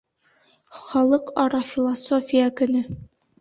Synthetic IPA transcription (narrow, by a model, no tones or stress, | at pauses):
χɒlˠɤqɒɾɑfʲilˠasofʲijakɵ̆nɵ